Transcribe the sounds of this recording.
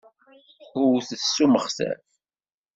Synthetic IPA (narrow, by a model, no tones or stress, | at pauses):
ʊθəsːuməχsæ̰l